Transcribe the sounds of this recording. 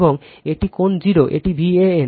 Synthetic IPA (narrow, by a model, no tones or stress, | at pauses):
boŋ | eʈikond͡ʑiɾoʔḛʈibʱieen